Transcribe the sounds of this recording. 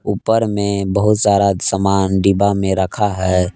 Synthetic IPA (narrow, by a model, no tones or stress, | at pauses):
uːpəɾmẽbəɦʊt̪saːd̪asəmaːnɖiːbamẽɾəkʰaɦɛː